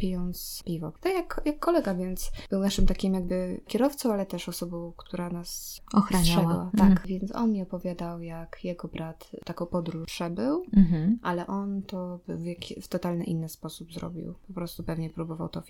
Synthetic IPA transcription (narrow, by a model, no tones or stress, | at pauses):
pʲijɔnt̪spʲivɔ̰t̪akjakjakːɔlɛɡavʲjɛnt̪sb̥ɘwnaʂɘmt̪akʲimjaɡbɘkʲjɛɾɔft̪sɔ̃w̃alɛt̪ɛʂɔsɔbɔ̃w̃kt̪ʰuɾanasɔxɾatʂɛwa̰akvʲjɛnt̪sɔ̰nmʲiɔpɔvʲjad̪awjakjɛɡɔbɾat̪t̪ːakɔ̃w̃pɔd̪ɾuʂɛbɘw̩ʔalɛʔɔnt̪ɔbɘ̰wvjakʲft̪ɔt̪alnɘ̰ʔinːɘspɔsubzɾɔ̰bʲḭwpɔpɾɔst̪upɛvɲɛpɾubɔva̰wt̪ɔvʲ